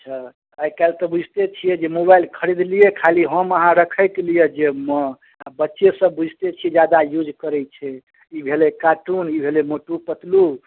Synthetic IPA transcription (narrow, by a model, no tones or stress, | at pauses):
t͡ʃʰɛ | əjkalt̪ɔbud͡ʒʱt̪et͡ʃʰijɛd͡ʒemobajlkʰəɾid̪lijekʰaliɦəməɦãɾəkʰəjk̪lijed͡ʒemə | abətːʃesə̃bud͡ʒʱt̪et͡ʃʰijɛd͡ʒjad̪ajud͡ʒʱkəɾɛt͡ʃʰɛ | ibʱelekaʈunibʱelemoʈupət̪lu